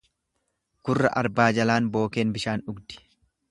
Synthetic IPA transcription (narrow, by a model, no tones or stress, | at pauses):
ɡ̥ʊrːɐ̰ʔɐɾbaːd͡ʒɐlaːnbo̞ːke̞ːnbɪʃaːnʊɡd̪ɪ̥